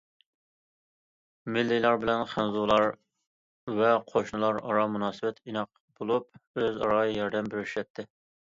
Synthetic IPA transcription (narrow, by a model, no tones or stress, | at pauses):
mɪlːilˠɑɾbɪlɛnχænzulˠɑɾ | vɛqʰoʃnɨlˠɑɾɑ̰ɾɑmunɑːsɨbɛt̪ʰinɑq̚ | b̥olˠup̚øzɑ̰ɾɑjjɑɾd̪ɛmbɪɾyʃɛt̪ʰːɪ